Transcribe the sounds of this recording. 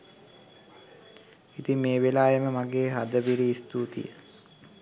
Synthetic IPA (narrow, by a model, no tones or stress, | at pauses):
it̪imeːʋelaːjəməmaɡeːɦad̪əʋiɾiːst̪uːt̪ḭjə̰